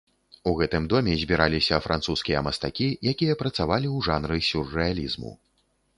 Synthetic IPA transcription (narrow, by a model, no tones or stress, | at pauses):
uɣɛt̪ɨmd̪ɔmʲɛzʲbʲiɾalʲisʲɐfɾʔant̪suskʲijɐ̰mɐst̪akʲijakʲijɐpɾɐt̪savalʲiwʐanɾɨsʲurːɛalʲizmṵ